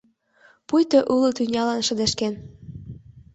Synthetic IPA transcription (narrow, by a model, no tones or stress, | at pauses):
pujt̪ɤʔulot̪ynʲɑlɑnʃə̆d̪eʃken